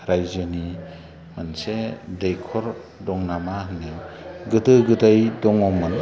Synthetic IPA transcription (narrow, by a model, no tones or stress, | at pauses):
ɾajzani | mansedejkʰɔɾ | dɔŋnamahniɡɯdɯɡɯdajdɔŋɔmːɯn